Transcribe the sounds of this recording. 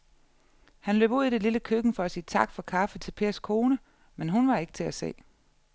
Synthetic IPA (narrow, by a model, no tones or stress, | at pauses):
hænlø̰ːb̥uð̰ˠid̥eliləkʰøɡ̥n̩fɒ̽æsiːt͡sʰɑ̈ɡ̥fɒ̽kʰɑ̈fət͡sʰe̝lpʰe̝ɐskʰo̝ːnə | menɦunʋɑ̈e̝ɡ̥ət͡sʰe̝æse̝̰ː